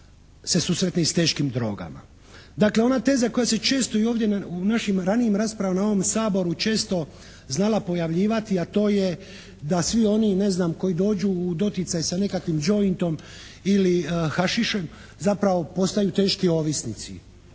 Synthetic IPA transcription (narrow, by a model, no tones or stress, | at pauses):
se̞susɾet̪nest̪e̞ːʃkimd̪ɾo̞̰ːɡa̰ma̰ | d̪akleo̞nat̪e̞ːzako̞jase̞t͡ʃe̞ːst̪o̞io̞ːʋdje̞naunaʃimɾanijimɾaːspɾaʋamnao̞ʋomsaːbo̞ɾut͡ʃe̞ːst̪o̞ | znalapo̞jaʋʎiːʋat̪iat̪o̞ːje | d̪asʋio̞nine̞znaːmko̞jid̪o̞ːd͡ʒuːd̪o̞t̪it̪sajsane̞kakʋimd͡ʒo̞int̪o̞m | ilixaʃiʃe̞m | zapɾaʋo̞po̞st̪ajut̪e̞ːʃkio̞ːʋisnit̪sḭ